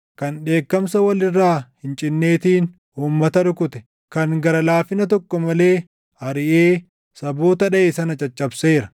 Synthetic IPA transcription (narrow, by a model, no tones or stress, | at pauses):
kɐnᶑe̞ːkːɐmsɐwɐlɪrːaːhɪnt͡ʃʼɪnːe̞ːt̪iːn | uːmːɐt̪ɐɾʊkʊt̪ɛ̥ | kɐŋɡɐɾɐlaːfɪnɐt̪̬ɔkːɔmɐle̞ː | hɐɾɪʔeː | sɐbo̞ːt̪ɐᶑɐʔeːsɐnɐt͡ʃʼɐt͡ʃʼːɐbseːɾɐ